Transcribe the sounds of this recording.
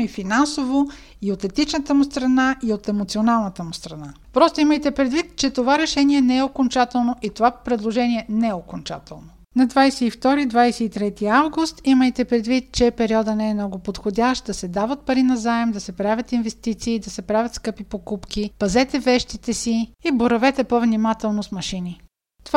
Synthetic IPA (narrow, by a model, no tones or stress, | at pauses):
ifinansovo | iot̪ɛt̪it͡ʃnət̪əmʊst̪ɾɐnaʔiot̪ɛmot̪sionalˠnət̪əmʊst̪ɾɐna | pɾɔst̪oiməjt̪ɛpɾɛd̪vit̪t͡ʃɛt̪ovaɾɛʃɛniɛnɛɛokont͡ʃat̪ɛlˠnoʔit̪ovapɾɛd̪lˠoʒɛniɛnɛɛokont͡ʃa̰t̪ɛlˠno | nɐd̪vajsɛift̪ɔɾid̪vajsɛit̪ɾɛt̪iavɡʊst̪iməjt̪ɛpɾɛd̪vit̪t͡ʃɛpɛɾiɔd̪ənɛɛmnɔɡʊpot̪xodʲaʃt̪̚d̪ɐsɛd̪avɐt̪̚pɐɾinɐzaɛmd̪ɐsɛpɾavʲjət̪invɛst̪it̪siːd̪ɐsɛpɾavʲət̪skɤpipokupkipɐzɛt̪ɛvɛʃt̪it̪ɛsiiboɾɐvɛt̪ɛpovnimat̪ɛlˠnosmɐʃini | t̪ova